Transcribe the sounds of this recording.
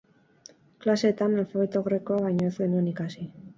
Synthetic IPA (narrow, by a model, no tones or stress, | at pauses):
klase̞ːt̪analfaβe̞t̪oɣɾe̞koaβajɲoe̞zɡe̞nue̞nikasi